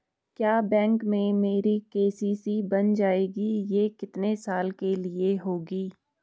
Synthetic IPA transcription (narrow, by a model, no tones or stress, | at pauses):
kjaːbɛ̃ːŋkmẽmeːɾikeːsiːsibɐnd͡ʒaːeːɡijeːkɪt̪nesaːlkelɪeɦoːɡiː